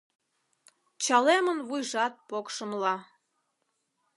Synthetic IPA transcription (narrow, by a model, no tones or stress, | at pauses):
t͡ɕɑlemənβujʒɑt̪̚pokʃəmlɑ